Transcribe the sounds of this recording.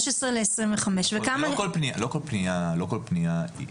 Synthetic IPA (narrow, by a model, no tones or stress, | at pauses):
ʃesʁileesʁiɱveχameʃvekamakolpnialokolpnijalokolpnijaḭ